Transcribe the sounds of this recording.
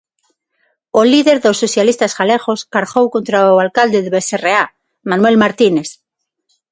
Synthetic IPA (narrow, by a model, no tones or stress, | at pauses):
oliðe̞ɾðosːoθjalist̪asɣaleɣo̞skaɾɣowko̞nt̪ɾaoalkald̪eðeβeserea | mãnwe̞lmaɾt̪ine̞s